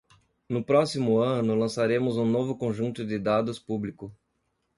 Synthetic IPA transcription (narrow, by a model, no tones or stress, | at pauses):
nʊpɾɔsimʊɐ̃nʊlɐ̃saɾẽmʊzũnovʊkõʒũnt̪ʊd̪ɪd̪ad̪ʊspublikʊ